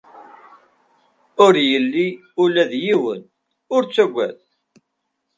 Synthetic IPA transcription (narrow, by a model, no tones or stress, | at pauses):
ʊɾjəlːi | ulæðjiwə̰n | ʊɾt͡sːæɡʷːæ̰θ